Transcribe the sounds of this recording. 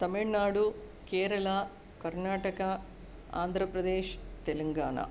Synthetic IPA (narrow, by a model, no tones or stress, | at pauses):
t̪ɐmiɭnaːɽu | keːɾɐɭɐ | kɐɾnaːʈɐkɐ | a̰ːnd̪ʱɾɐpɾɐd̪eːʃt̪elɐŋɡaːɳɐ̰